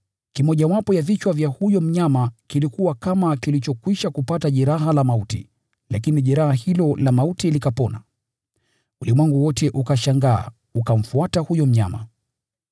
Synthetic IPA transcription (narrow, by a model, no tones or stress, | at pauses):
kimɔʄawapɔjavit͡ʃwavjahujɔm̩ɲamakilikuwakamakilit͡ʃɔkwiʃakupataʄɛɾaɦalamautḭ | lak̬iniʄɛɾahahilɔlamautilikapɔna̰ | ulimwɛŋɡuwɔtɛʔukaʃaŋɡa̰ː | ukam̩fuatahujɔm̩ɲa̰ma̰